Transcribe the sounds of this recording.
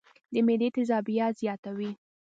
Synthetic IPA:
d̪əmed̪et̪ɪzɑbijɑzjɑt̪awi

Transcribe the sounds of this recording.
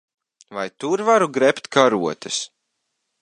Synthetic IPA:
vajt̪uɾvaɾuɡɾɛpt̪kaɾuɔt̪ɨs

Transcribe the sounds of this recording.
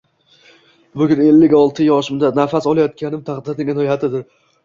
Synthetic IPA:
bʊɡʲʊne̞lːɪkʲɒlˠt̪ʰɪjɒʃɪmd̪anafasɒlˠajɒt̪̚kʲʰanɪmt̪ʰaχd̪ɪɾnɪɡʲɪnɒjhat̪ʰɪd̪ɪɾ

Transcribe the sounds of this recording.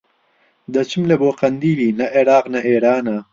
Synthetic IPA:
d̪ɐt͡ʃimleboːqɐnd̪iːlinɐʔeɽaːqnɐʔeːɽaːna

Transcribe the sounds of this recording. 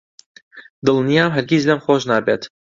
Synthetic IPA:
d̪ɨlˠnijaːmɦɛɾɡʲizlɐmxoːʒnaːbeːt̪

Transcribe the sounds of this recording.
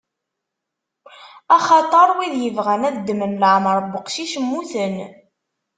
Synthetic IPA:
ɑχɑt̪ˤɑɾˤwiðjəvʁænæðd̪ːmənləʕməɾˤbəqʃiʃmːuθən

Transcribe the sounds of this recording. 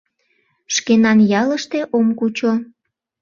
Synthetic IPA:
ʃkenɑnjɑləʃt̪eʔomkut͡ɕo

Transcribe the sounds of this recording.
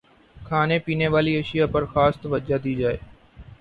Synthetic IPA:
kʰaːneːpiːneːʋaːliːəʃɪjaːpəɾxaːst̪ʋəd͡ʒaːd̪iːd͡ʒaːḛː

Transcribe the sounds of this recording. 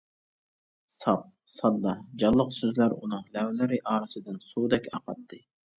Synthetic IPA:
sɑp̚ | sɑd̪ːɑd͡ʒɑlˠːəqsøzlæɾṵnɨŋlɛwlɪɾɪʔɑːɾɨsɨd̪ɨnsuːd̪ɛkʲɑ̰qɑt̪ʰːɨ

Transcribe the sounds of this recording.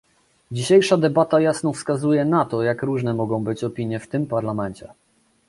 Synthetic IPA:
d͡ʑiɕejʂad̪ɛbat̪ajasnɔfskazujɛnat̪ɔjakɾuʐnɛmɔɡɔ̃w̃bɘt͡ɕɔpʲiɲjɛft̪ɘmpaɾlamɛnt͡ɕɛ

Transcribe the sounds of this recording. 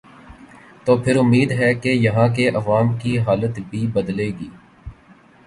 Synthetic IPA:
t̪oːpʰɪɾʊmːiːd̪ɦɛkejɐɦãk̬eʔɐʋaːmkiɦaːlət̪bʱibɐd̪leːɡiː

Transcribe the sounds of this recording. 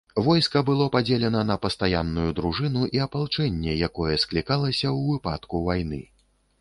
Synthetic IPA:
vɔjskɐbɨlˠɔpad͡zʲelʲɛnɐnɐpɐst̪ajanːujud̪ɾuʐɨnuʔiɐpalˠt͡ʂɛnʲːɛjakɔjɛsklʲikalˠɐsʲɐwvɨpa̰t̪kuvajnɨ̰

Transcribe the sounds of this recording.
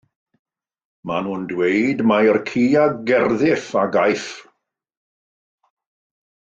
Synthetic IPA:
manuːndwejdmajrkʰiːaɡɛrðɪθaɡajθ

